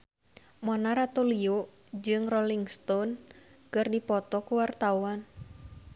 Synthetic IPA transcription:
mɔnaɾat̪uliuʔ | d͡ʒɨŋrɔliŋst̪ɔnkɨrdipɔt̪ɔkuwart̪auan

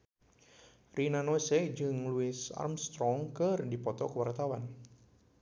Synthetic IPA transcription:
rinanɔsɛd͡ʒɨŋluɪsa̰rmst̪ɾɔŋkɨrdipɔt̪ɔkəwart̪awan

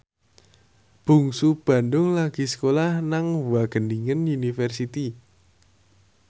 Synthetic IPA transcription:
b̥ṳŋsub̥ä̤ndʊŋlaɡ̥i̤sə̥kolahnaŋwaɡ̥əndiŋənunifɛrsit̪i

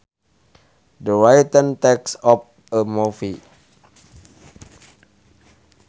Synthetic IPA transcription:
dəɹajtə̃ntɛksɔp̚ | əmɔfi

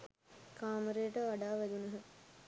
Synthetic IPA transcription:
kaːməɾejəʈəʋaɖaːʋæd̪unəɦə

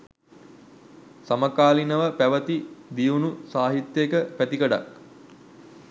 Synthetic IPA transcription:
saməkaːlinəʋəpæʋət̪id̪ijunusaːɦit̪jekəpæt̪ikəɖa̰k

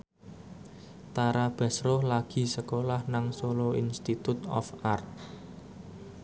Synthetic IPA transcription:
t̪aɾab̥a̤sɾʊhlaɡ̥i̤səkolahnaŋsoloinst̪it̪ut̪ɔ̰fart̪̚

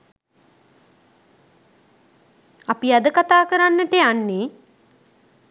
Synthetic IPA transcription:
apiad̪əkat̪aːkəɾanːəʈəjanːe

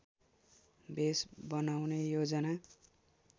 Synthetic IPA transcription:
besbʌnawnejod͡zʌna

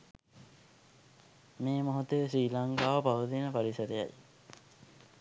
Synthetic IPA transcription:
meːmoɦut̪ejsiːlaŋkaːʋəpaʋət̪inəpaɾisəd̪eja̰j

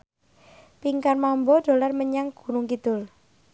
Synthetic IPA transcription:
piŋkarmambɔɖ̥o̤larməɲaŋɡ̥ṳnʊŋkid̪̥ʊl

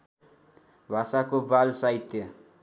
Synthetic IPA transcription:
βasakuvalsait̪e

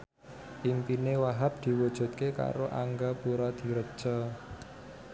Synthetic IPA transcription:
ʔimpinewaɦap̚d̪̥i̤wud̥ʒ̥ṳt̪̚keka̰ɾoʔa̰ŋɡapuɾɔd̪̥i̤ɾə̥ʒ̥ɔ

